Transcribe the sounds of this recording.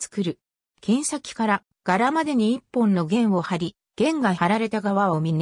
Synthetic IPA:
t͡sɨ̥kɯ̟ɾɯ̟ | kẽ̞ɰ̃ɕakʲi̥kaɾa | ɡ̥aɾamad̪e̞ɲ̟iːpːõ̞nːo̞ɡẽ̞ɰ̃o̞haɾʲi | ɡ̥ẽ̞ŋɡaaɾaɾe̞t̪aɡaβaβamʲine

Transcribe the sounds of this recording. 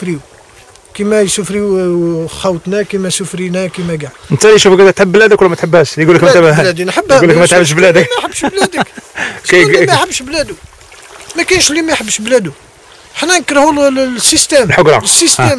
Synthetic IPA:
fɾiu | kimæjsufɾi | xɑwt̪ˤnækimæsufɾinækimæjɡaʕd̪nt̪æliʃufkæd̪æt̪ħəbːlæd̪æklːmæt̪ħəbːhæʃlijɡuləkmæt̪ælæd̪inħəbːhæləkmæt̪ħəbːʃblæd̪əkmæjħəbːʃblæd̪ək | imæħəbːʃblæd̪u | mækænʃlimæjħəbːʃblæd̪u | ħnænkɾˤhulsːist̪æmlħoɡɾˤɑ̰əsːist̪æm

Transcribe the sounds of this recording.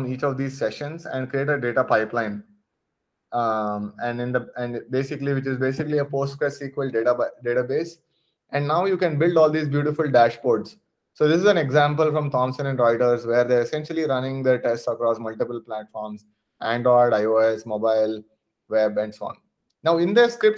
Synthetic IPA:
ɔ̃niːt͡ʃɔʋd̪iːzsɛʃə̃nsɛ̰̃ɳɖkɾieːʈəɖeːʈapaɪplãɪ̃n | ɛ̃ɳɖɪ̃nd̪əɛ̃ɳɖbeːsɪkəliʋɪt͡ʃɪzbeːsɪkəliəpoːsʈkesiːkʋəlɖeʈaɖeːʈabeːs | ʔɛ̃ɳɖnaʊjuːkɛ̃nbɪlɖɔːld̪iːzbjuːʈɪfʊlɖæʃboːɾɖs | soːd̪ɪsɪzɛ̃neɡzæ̃mpəlfɾɔ̃mt̪ʰɔ̃ːmsə̃nɛ̃ɳɖɾaɪʈəɾzʋeːɾd̪eaɾesɛ̃nʃəliɾʌ̃nɪ̃ŋd̪əɾʈesʈsəkɾɔːsmʌlʈɪpəlplæʈfɔːɾms | ʔæ̃ɳɖɾɔːɖaɪoːesmoːbaɪl | ʋebɛ̃ɳɖsoːɔ̰̃ːn | naʊɪ̃nd̪eɾskɾɪp̚ʈ

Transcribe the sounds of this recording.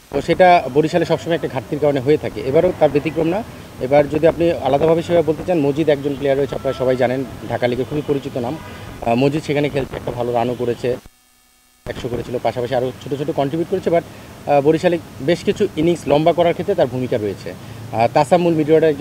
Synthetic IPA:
oʃeʈaboɾiʃaleʃɔbʃɔmajɛkʈaɡʱaʈt̪ːiɾkaɾoneɦoet̪ʰakḛebaɾot̪aɾbet̪ikɾomna | ebaɾd͡ʑod̪iapnialad̪abʱabeʃebabolt̪et͡ɕanmod͡ʑid̪ɛkd͡ʑonplejaɾoet͡ɕʰea̰p̚naɾaʃɔbajd͡ʑanenɖʱakalikekʰubipoɾit͡ɕit̪onammod͡ʑid̪ʃekʰanekʰelt̪ʰeɛk̚ʈabʱaloɾanokoɾet͡ɕʰe | ɛkʃokoɾet͡ɕʰilopaʃapaʃiaɾot͡ɕʰoʈot͡ɕʰoʈokɔnʈɾibjuʈ̚koɾet͡ɕʰebaɾboɾiʃalebeʃkit͡ɕʰuiniŋslɔmbakɔɾaɾkʰet̪ːɾet̪aɾbʱumikaɾoet͡ɕʰḛ | t̪asamːulmiɖioɽeɛ

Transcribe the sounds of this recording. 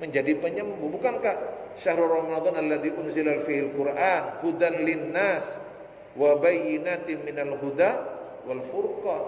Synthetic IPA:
məɲd͡ʒadipəɲəmbubukankaʔʃahɾurˤɑmad̪ˤɑnalːaðiʔʊnzɪlafihalkʊrʔanhud̪anlɪnːas | wabajɪnat̪ɪmːɪnalɦud̪a | walfʊrkɑ

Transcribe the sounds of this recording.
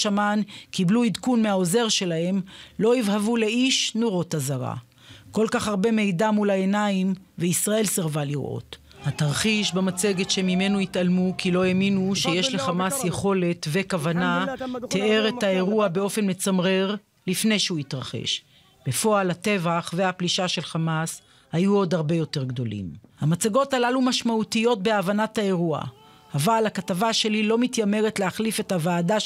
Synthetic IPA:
ʃamankibluid̪kunme̞aoze̞ʁʃe̞lahe̞mlo̞ivhavule̞iʃnoʁo̞tazaʁa̰ | ko̞lkaχhaʁbe̞me̞jdamulae̞naimveisʁae̞lseʁvaliʁo̰t̪ | hataʁχiʃbemat͡se̞ɡetʃemime̞nuit̪almukilo̞eminuʃe̞jeʃle̞χamasje̞χo̞le̞t̪ve̞kavanat̪ʰee̞ʁethae̞ʁuabe̞o̞fe̞nme̞t͡samʁeʁ | lifne̞jʃehuitʁaχe̞̰ʃ | b̥e̞fo̞alate̞vaχve̞hapliʃaʃe̞lχamas | hajuo̞d̪haʁbe̞jo̞te̞ʁɡdo̞lḭmhamat͡saɡo̞talalumaʃmautijo̞t̚be̞avanathae̞ʁua̰ | avalhakatavaʃe̞lilo̞mitjame̞ʁetleaχlife̞thavaːda

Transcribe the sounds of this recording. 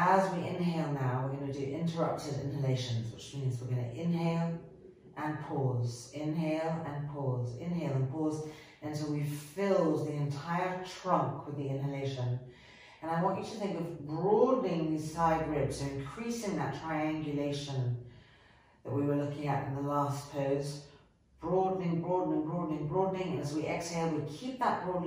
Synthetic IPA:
əzwiɹʔɪ̃nɦeɪlˠnaʊwɪɡʌnɨdɨʔɪ̰̃ntʰə˞ʌp̚tɨvɪ̰̃nɨleɪʃɨ̃nzwɨ̰t͡ʃmĩnzwɨɡʌnɨ̰ʔɪ̃nɦeɪlˠ | ʔə̃npʰɔzɪ̃nɦeɪlˠɨ̃npʰɔzɪ̰̃nɦeɪlˠə̃npʰɔz | ɨ̃ntʰəlˠwifɪlˠd̚ðiɨ̃ntʰaɪə˞tʰɹ̥ʌ̃ŋkʰwəðiɪ̃nɦɨleɪʃɨ̃n | ɨ̃naɪwɑ̃nt͡ʃɨɾɨθɪ̃ŋkʌvbɹɔdⁿnɪ̃ŋði̥saɪd̚ɹɪd̥soʊɨ̃nkʰɹ̥isɪ̃ŋðɨtʰɹ̥aɪæ̃ŋɡjɨleɪʃɨ̃n | ðɨ̰tʔ̚wiwə˞lʊkɪ̃ŋɨɾ̃n̩ðəlæspʰoʊz | b̥ɹɔdⁿn̩ɪ̃ŋbɹɔdⁿn̩ɨ̃nbɹɔdⁿnɪ̃ŋbɹɔdⁿnɪ̃ŋɨ̃nɨzwiʔɛksheɪlˠwikʰip̚ðət̚b̥ɹɔdⁿ

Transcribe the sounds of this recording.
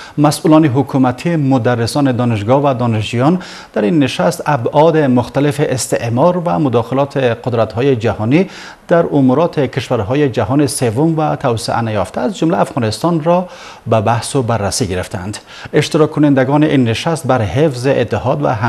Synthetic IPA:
masʔulɔneɦʊkʰumat̪ʰimʊd̪arːɪsɔːned̪ɔneʃ̬ɡɔvad̪ɔːneʃd͡ʒujɔn | d̪̥aɾinːeʃast̪abɔd̪emʊxt̪alefeʔːst̪eʔmɔɾvamʊd̪ɔxɪlɔt̪ʰeqʊd̪ɾat̪hɔjed͡ʒahɔni | d̪̥aɾʊmuɾɔt̪ʰekʰeʃvaɾɦɔjed͡ʒaɦɔnesevomvat̪ʰawseʔa̰najɔft̪ʰaːzd͡ʒʊmlaːfɣɔnɪst̪ɔnɾɔ | babahsʊbarːasiɡeɾeft̪a̰nd̪ | eʃt̪ɪɾɒkʰːʊnend̪aɡɔniʔinːeʃast̪̚baɾhefzeʔet̪ːɪhɔd̪va̰ɦa

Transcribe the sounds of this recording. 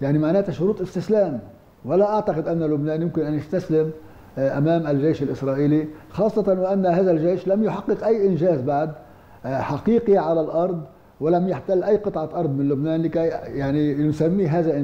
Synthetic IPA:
jaʕnimaʕnaːt̪aʃʊɾuːt̪ˤʔɪst̪ɪslaːm | walaʔaʕt̪aqɪd̪ʔanːalʊbnaːnjʊmkɪnʔanjast̪aslɪm | ʔamaːmʔalʒejːʃalʔɪsɾˤɑːʔiːlixɑːsˤːɑt̪ˤɑnwɪʔanːaɦaːðalʒejʃlamjʊħɑqːɨqʔajːʔɪnʒaːzbaʕd̪ | ħaqiːqiʕalalʔɑɾˤd̪ˤ | wɪlamjaħt̪alːʔajːqɨt̪ˤʕɑʔɑɾˤd̪ˤmɪnlʊbnaːnlikajjaʕninʊsamːiːɦaːðaʔ

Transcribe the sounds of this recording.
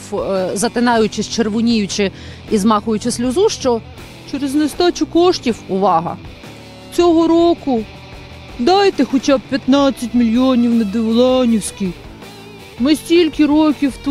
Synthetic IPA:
zɐt̪ɪnɑjʊt͡ʃɪsʲt͡ʃerʋʊnʲijʊt͡ʃɪ | izmɑxʊjʊt͡ʃɪsʲlʲʊzuʃt͡ʃɔ | t͡ʃeɾeznest̪ɑt͡ʃʊkɔʃtʲiwʊʋɑɦɐ̰ | t͡sʲɔɦɔɾɔkʊ | d̪ɑjt̪ɛxɔt͡ʃɑb̚pʲjɐt̪nɑt͡sʲːɐtʲmʲilʲjɔnʲiwnɐd̪ɪʋlˠɑnʲiwsʲkij | mɪsʲtʲilʲkʲɪɾɔkʲiwt̪

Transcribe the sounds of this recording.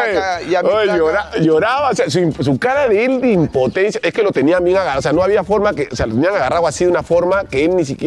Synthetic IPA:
aojoɾaʝoɾaβaoseas̬uimps̬ukaɾaðeeld̪eimpo̞t̪ensjaʔe̞skelo̞t̪e̞niambje̞ŋaɣaose̞ano̞aβiafo̞ɾmakeosealot̪eniaŋaɣarawasiðunafo̞ɾmakeelnis̬ikje

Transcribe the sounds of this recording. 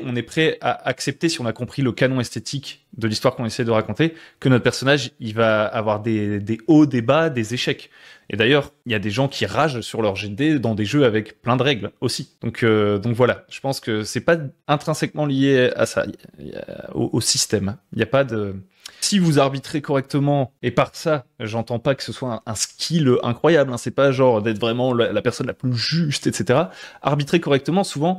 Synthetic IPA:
ɔ̃nɛpχɛa̰ʔaksɛp̚t̪esiɔ̃nakɔ̃pχiləkanɔ̃ɛst̪et̪ʰikd̪əlist̪waʁkɔ̃nesɛjd̪əʁakɔ̃t̪ekənɔt̪χpɛʁsɔnaʒilvaːvwaʁd̪ed̪eod̪ebad̪ezeʃɛk | ḛd̪ajœʁiljad̪eʒɑ̃kʲʰiʁaʒsyʁlœʁʒed̪ed̪ɑ̃d̪eʒøavɛkplɛ̃d̪əʁɛɡlosid̪̥ɔ̃kʰød̪ɔ̃kvwalaʒ̥ə̥pɑ̃skəsɛpaɛ̃t̪χɛ̃sɛkmɑ̃lijea̰sa̰ḭa̰o̰ʔosist̪ɛmiljapad̪ə | sivuzaʁbit̪χekɔʁɛk̚t̪əmɑ̃epaʁsaʒɑ̃t̪ɑ̃pakə̥səswaɛ̃ɛ̃skʲʰiløʔɛ̰̃kχwajablɛ̃sɛpaʒɑ̃ʁd̪ɛt̪χvʁɛmɑ̃lalapɛʁsɔnlaplyʒyst̪ɛt̪set̪eʁaa̰ʁbit̪χekɔʁɛk̚t̪əmɑ̃suvɑ̃

